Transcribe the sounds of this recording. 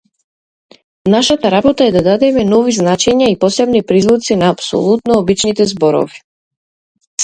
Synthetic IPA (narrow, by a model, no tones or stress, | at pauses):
naʃat̪aɾabɔt̪aɛd̪ad̪ad̪ɛmɛnɔviznat͡ʃɛɲaipɔsɛbnipɾizlˠut̪sinaːpsɔ̰lˠut̪nɔːbit͡ʃnit̪ɛzbɔɾɔ̰vi̥